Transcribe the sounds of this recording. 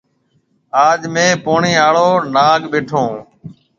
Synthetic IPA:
aːd͡ʒmẽːpoːɳiːaːɭoːnaːɠɓeːʈʰõː

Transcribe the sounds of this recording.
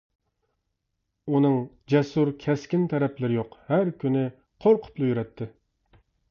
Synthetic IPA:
unɨŋ | d͡ʒɛsuɾkʲʰɛskʲɪnt̪ʰɛɾɛplɪɾɪjoqhæɾkʲʰynɪ | qʰoɾqʰʊ̥plˠɨjyɾɛt̪ʰːɪ

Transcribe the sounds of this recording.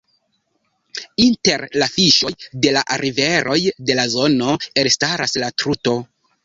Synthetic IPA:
inte̞ɾlafiʃo̞jde̞laʔaɾʔive̞ɾʔo̞jde̞lazo̞no̞e̞ɾstaɾaslatɾuto̞

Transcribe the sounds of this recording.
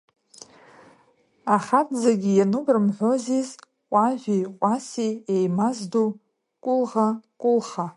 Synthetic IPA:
aχatʰʼd͡zaɡʲijanubrɨmħʷo̞ziz | qʷʼaʒʷᶣiqʷʼasiejmazdu | kʷʼʊlʁakʷʼʊlχa

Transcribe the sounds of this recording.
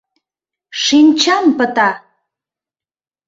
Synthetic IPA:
ʃinʲt͡ɕɑmpət̪ɑ

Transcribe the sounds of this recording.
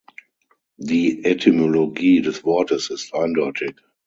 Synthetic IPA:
ðiʔɛtʰimoloɡiːdɛswɔːtə˞sɪsãɪ̃ndɔɪtʰɪk

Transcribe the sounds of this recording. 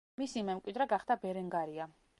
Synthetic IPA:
misimɛmkʼwid̪ɾɛɡaχd̪abɛɾɛŋɡaɾia

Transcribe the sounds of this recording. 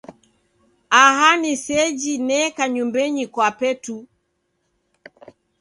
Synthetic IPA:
ahanisɛd͡ʒinɛkaɲumbɛɲikwapɛtu

